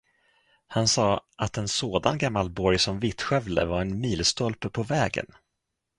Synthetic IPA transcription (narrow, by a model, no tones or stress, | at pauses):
hansɑːʔat̪ɛnsoːd̪anɡamːalbɔɾjsɔmvɪt̪ɧœvlə̰vaɾɛnmiːlst̪ɔlpəpʰɔvɛːɡə̰n